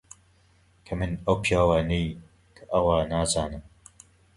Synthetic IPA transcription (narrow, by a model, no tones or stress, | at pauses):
kʰɐmɨnɐwpʰijaːwaːnej | kʰɐʔɐwaːnaːzaːnɨm